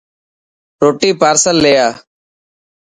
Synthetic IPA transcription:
ɾoːʈiːpaːɾsəlːeːjaː

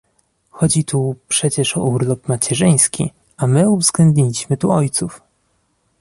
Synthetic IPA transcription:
xɔd͡ʑit̪upʂɛt͡ɕɛʂɔuɾlupmat͡ɕɛʐɘj̃skʲḭ | amɘuvzɡlɛnd̪ɲilʲiɕmɘt̪uɔjt̪suf

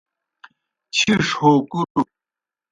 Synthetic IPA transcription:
t͡ɕʰiʂhokuɾu

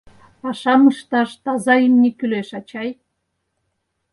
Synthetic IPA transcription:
ɑʃɑməʃt̪ɑʃt̪ɑzɑimnʲikyleʃɑt͡ɕɑj

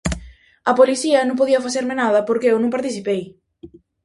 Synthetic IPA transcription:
ɐpoliθiɐnõmpoðiɐfaθeɾmenaðɐpoɾkeewnõŋpaɾt̪iθipej

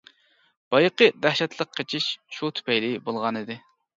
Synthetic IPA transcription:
b̥ɑjqəd̪æhʃɛt̪ʰlˠəqqʰːet͡ʃʰiʃʃut̪ʰy̥pɛjlɪbolˠʁɑnɨd̪ɪ

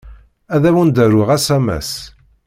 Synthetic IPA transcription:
æðæwənd̪æɾʊʁæsæmæ̰s

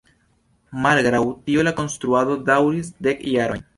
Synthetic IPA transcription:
malɡɾawtio̞lako̞nst̪ɾuado̞dawɾis̬de̞kjaɾo̞jn

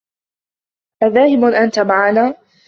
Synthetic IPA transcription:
ʔaðaːhɪbʊʔant̪amaʕanaː

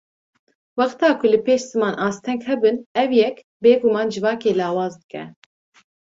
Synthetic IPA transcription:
wɑχt̪ɑːkʰʊlɨpeːʃz̥ɨmɑːnʔɑːst̪ʰɛŋkhɛbɨnɛwjɛk | beːɡʊmɑːnd͡ʒɨvɑːkeːlɑːwɑːzd̪ɨkɛ̰

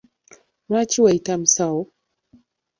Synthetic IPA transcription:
mat͡ʃiwaitam̩saɔ

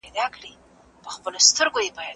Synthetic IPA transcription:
jd̪ɑkɽi | pəxpəlost̪əɾɡojebɑja

